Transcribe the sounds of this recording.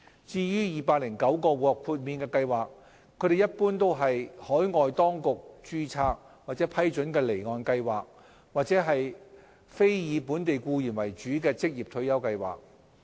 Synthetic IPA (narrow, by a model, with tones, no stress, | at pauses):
t͡siː˧jyː˥jiː˨paː˧k̚lɪ˨˩ŋkɐ˨˥wkɔː˧wɔ˨kʰuː˧t̚miː˨˧nkɛː˧kɐ˧jwaː˨k̚ʰː | ɵ˨˥d̪e˨jɐ˥t̚puː˥nt̪o˥wɦɐ˨jhɔː˨˥jŋɔː˨jt̪ɔː˥ŋkʊ˨k̚t͡ʃyː˧t͡sʰaː˧k̚ | waː˨˩t͡sɛː˨˥pʰɐ˥jt͡ʃɵ˨˥nkɛː˧le˨˩jŋɔː˨˧nkɐ˧jwaː˨k̚ | waː˨t̚t͡sɛː˨˥ɦɐ˨j | fe˥jjiː˨˧puː˨˥nt̪e˨jkuː˧jyː˨˩nwɐ˨˩jt͡ʃyː˨˥k̬ɛː˧t͡sɪ˥k̚jiː˨p̚t̪ʰɵ˧ɥjɐ˥wkɐ˧jwa̰ː˨˩k̚